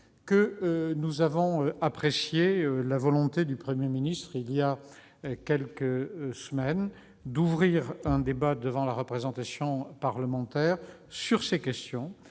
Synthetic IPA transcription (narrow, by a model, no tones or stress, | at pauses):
kənuzavɔ̃øapχesjeølavɔlɔ̃t̪ed̪ypχəmjeminist̪χilija | kʲɛlkəsəmɛn | d̪uvʁiʁɛ̃d̪ebad̪əvɑ̃laʁəpχezɑ̃t̪asjɔ̃paʁləmɑ̃t̪ɛːʁ | syʁsekʲɛst̪jɔ̃